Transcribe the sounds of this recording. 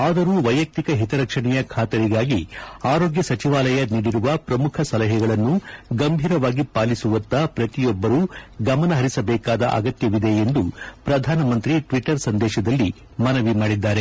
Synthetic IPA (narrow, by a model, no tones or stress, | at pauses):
aːd̪ɐɾuːʋɐjɐk̚t̪ikɐɦit̪ɐɾɐkʂɐɳɛjɐkʰaːt̪ɐɾiɡaːɡiaːɾo̞ːɡjɐsɐt͡ʃiʋaːlɐjɐniːɽiɾuʋɐpɾɐmukʰɐsɐlɐɦɛɡɐɭɐnːuɡɐmbʱiːɾɐʋaːɡipaːlisuʋɐnt̪ɐpɾɐt̪ijɔbːɐɾuːɡɐmɐnɐɦɐɾisɐbɛːkaːd̪ɐ̰ʔɐ̰ɡɐt̪jɐʋid̪e̞end̪upɾɐd̪ʱaːnɐmɐnt̪ɾiʈʋiʈɐɾsɐnd̪ɛːʃɐd̪ɐlːi | mɐnɐʋimaːɽid̪ːaːɾe̞